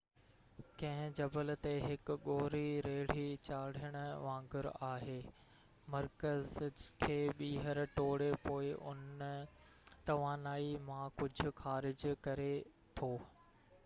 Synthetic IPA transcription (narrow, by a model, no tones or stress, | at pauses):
kɐ̃ɦɪ̃d͡ʑɐbəlt̪eɦɪkʊɡoːɾiɾeːɽ̤it͡ɕaːɽ̤əɽ̃ʊ̆ʋãːŋɡɪɾaːɦeː | mɐɾkəzkʰeːɓiːɦəɾʈoːɽepoːɪʔʊn | t̪ɐʋaːnaːimãkʊd͡ʑʱʊ̆xaːɾɪd͡ʑkɐɾe | t̪ʰoː